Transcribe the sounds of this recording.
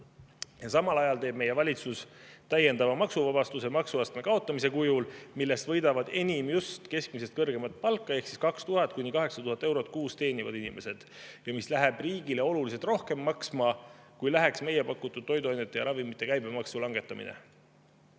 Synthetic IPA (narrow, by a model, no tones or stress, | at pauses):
jɑsɑmɑlɑjɑlt̪eːb̥̚me̞je̞vɑlʲit̪sust̪æje̞nd̪ɑvɑmɑksuvɑbɑst̪usemɑksuɑst̪me̞kɑo̞t̪ːˑɑmis̬e̞kujulmilːe̞st̪vɤ̞jd̪ɑvɑd̪̥e̞nʲimjust̪ke̞sk̚mise̞st̪̚kɤrɡe̞mɑt̪̚ˑpɑlkːˑɑe̞hksiskɑkst̪uɦɑt̪̚ˑkunʲːikɑɦe̞ksɑt̪uhɑt̪ːˑe̞wɾo̞t̪̚ːˑkuːst̪e̞ːnivɑd̪inimʔe̞se̞d̪̥jɑmislæɦeb̥riːɡ̥ileo̞lulis̬elt̪ro̞hke̞mːɑksmɑkujlæɦe̞ksme̞jepɑkːut̪ːˑud̥̪̚t̪o̞jd̪uɑnʲːet̪ːˑejɑɾɑvimːit̪ːˑe̞kæjbe̞mɑksulɑŋɡ̥e̞t̪ːˑɑmḭnḛ